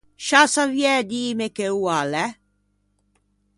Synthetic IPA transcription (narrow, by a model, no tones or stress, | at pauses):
ʃasavjɛd̪iːmekeualɛ